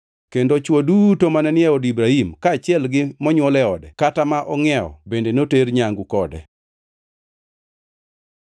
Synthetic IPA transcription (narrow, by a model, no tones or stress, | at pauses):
kendot͡ʃwodutomanɛnɪɛɔdibɾahimkaːt͡ʃɪɛlɡɪmɔɲwɔlɛɔdɛkatamaʔɔŋɛɔ̰bendenoteɾɲaŋɡukɔdɛ̰